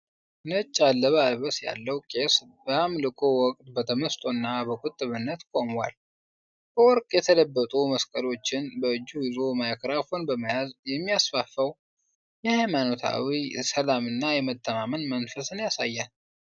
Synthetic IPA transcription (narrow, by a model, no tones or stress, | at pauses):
nət͡ʃʼːalːəβəalβəsja̰lːəwkʼe̞s | bəamlɨkʼowɔkʼt̪bət̪ʰəməst̪ʼonːabəkʼʊt̪ʼːɨβɨnːət̪kʼo̞mwa̰l | b̥əwɔɾkʼjɛt̪ʰələbːət̪ʼuməskʼəlo̞t͡ʃːɪnbəɨd͡ʒːuɪzo̞majakʰɾafo̞nbəmjazjɛmːijasfafəw | jɛhajmanot̪ʰa̰wisəlamɨnːajɛmət̪ʰːəmamənmənfəsɨnjasajːan